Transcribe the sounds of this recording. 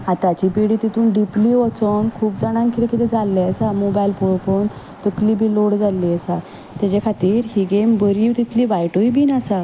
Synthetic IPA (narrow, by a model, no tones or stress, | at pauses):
ãt̪at͡ɕipiɽiːt̪it̪ʰuːnɖipliɔt͡sənkʰuːpd͡zaɽ̃ãnkit̪ekit̪ɛd͡zalːeəsamobajlpoɭpon | t̪əkliːbʱiloɽd͡zalːisa | t̪jat͡ɕakʰat̪iːɾɦiɡembəɾiːt̪it̪ʰliːʋajʈoibiːnasa